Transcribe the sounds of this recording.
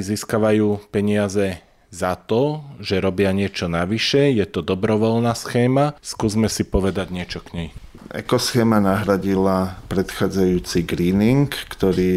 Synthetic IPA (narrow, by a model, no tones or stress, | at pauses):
ziːskaʋajuːpɛɲɪazɛ | zat̪ɔʒɛɾɔbɪaɲɪɛt͡ʃɔnaʋiʃɛjɛt̪ɔd̪ɔbɾɔʋɔlnaːsxɛːmaskuːzmɛsipɔʋɛd̪aɟɲɪɛt͡ʃɔkɲɛj | ɛ̰kɔsxɛːmanaɦɾaɟilapɾɛt̪xaːd͡zajuːt͡siɡɾiːniŋkːt̪ɔɾiː